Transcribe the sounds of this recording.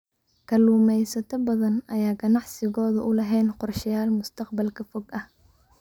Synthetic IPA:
kʰɐluːmɛjsɐt̪ʰɐbɐðɐnɐjaːɡɐnɑʕsɪɣɔːðʊʔʊlɐɦɛjnqʊrʃɪjaːlmʊst̪ʰɐqbɐlkʰɐfɔɡɐh

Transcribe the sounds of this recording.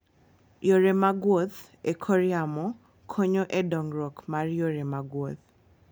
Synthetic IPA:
joɾemaɡwot̪ | ekʰɔɾjamɔ | kʰoɲoʔɛdɔŋɾɔkmarjoɾemaɡwot̪

